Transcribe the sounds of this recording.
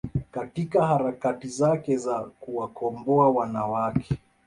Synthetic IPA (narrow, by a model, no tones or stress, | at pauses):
katikahaɾakatizakɛzakuwakɔmbɔawanawakʰɛ